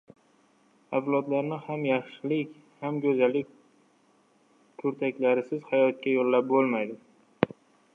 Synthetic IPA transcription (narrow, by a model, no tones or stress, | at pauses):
avlˠɒd̪laɾnɪhamjaχʃɪlɪkʲ | hamɡʲɵzalɪkʲ | kʰʊɾt̪ʰakʲlaɾɪsɪz̥hajɒt̪̚kʲajolːap̚bolˠmajd̪ɪ